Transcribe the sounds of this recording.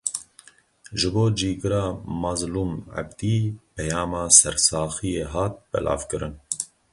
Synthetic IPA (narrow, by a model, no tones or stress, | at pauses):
ʒɨboːd͡ʒiːɡɨɾɑːmɑzluːma̰bd̪iːpʰɛjɑːmɑːsɛɾsɑːxijeːɦɑːt̪̚bɛ̰lʔɑ̰ːvkɨɾɨ̰n